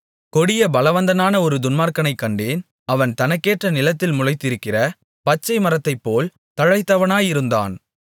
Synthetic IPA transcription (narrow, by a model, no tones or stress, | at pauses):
kɔɽɪjɐbɐlɐʋɐnd̪ɐnaːnɐɔɾɯd̪ʊnmaːɾkɐnɐɪkːɐɳɖeːn | ɐʋɐnt̪ɐnɐkːeːʈrɐnɪlɐt̪ːɪlmʊɻɐɪt̪ːɪɾɯkːɪrɐ | pɐt͡ʃːɐɪmɐɾɐt̪ːɐɪpːoːl | t̪ɐɻɐɪt̪ːɐʋɐnaːjɪɾɯnd̪a̰ːn